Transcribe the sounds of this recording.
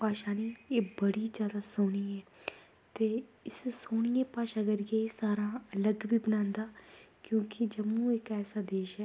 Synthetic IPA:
paːʃaːneːeːbəɽiːzjaːd̪aːsoːɽ̃iːɛː | t̪eːɪssoːɳɪjẽːpaːʃaːɡəɾɪjẽːsaːɾãːələɡʋiːbənãːnd̪aːkjõːkɪd͡ʒəmũːɪkɛːsaːd̪eːʃɛː

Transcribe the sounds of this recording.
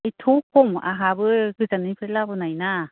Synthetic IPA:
itʰukʰɔma̰ɦabɯɡɯzanɯpʰɯɾelabɯnajna

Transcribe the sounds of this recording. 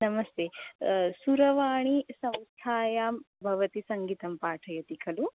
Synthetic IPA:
nɐmɐst̪eːsuɾɐʋaːɳ̃isɐ̃mst̪ʰaːjaːm | bʱɐʋɐt̪isɐŋɡiːt̪ɐmpaːʈʰɐjɐt̪ikʰɐlu

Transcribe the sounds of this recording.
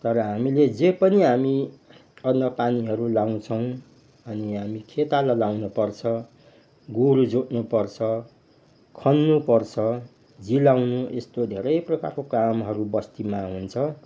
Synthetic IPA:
t̪ʌɾʌɦamiled͡zepʌniɦami | ʌnjʌpaniɦʌɾulaw̃t͡sʰʌw̃ | ʌniɦamikʰet̪alalawnupʌrt͡sʰʌ | ɡoɾud͡zoʈnupʌrt͡sʰʌ | kʰʌnːupʌrt͡sʰʌ | d͡zilawnuest̪od̪ʱeɾʌjprʌka̰rkokamɦʌɾubʌst̪imaɦunt͡sʰʌ

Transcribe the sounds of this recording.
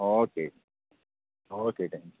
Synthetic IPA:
oːkeː | oːkeːʈʰɛ̃ŋk

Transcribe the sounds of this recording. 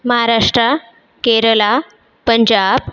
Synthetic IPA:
məɦaɾaʂʈɾa | keɾəla | pəɲd͡ʑab̚

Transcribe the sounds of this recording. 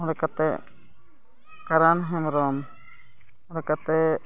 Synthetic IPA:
ɔ̃ɽɛkat̪ɛ | kaɾanɦɛmɾɔm | ɔ̃ɽɛkat̪ɛ

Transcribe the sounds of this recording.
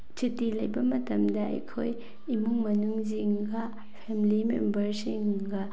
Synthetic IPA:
t͡ʃitilɐjbɐmɐtɐmdɐɐ̰jkʰoj | imuŋmɐnuŋziŋɡɐ | pʰemilimḛmbɐɾsiŋɡɐ

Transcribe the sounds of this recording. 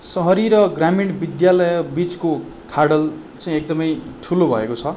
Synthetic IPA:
sʌɦʌɾiɾʌɡramiɳbid̪jalʌjʌbit͡sko | kʰaɽʌl | t͡saĩek̚d̪ʌmʌjʈʰulobʱʌ̰ḛkot͡sʰʌ

